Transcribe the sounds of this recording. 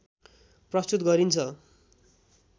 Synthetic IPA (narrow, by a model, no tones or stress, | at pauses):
prʌst̪ut̪ɡʌɾint͡sʰʌ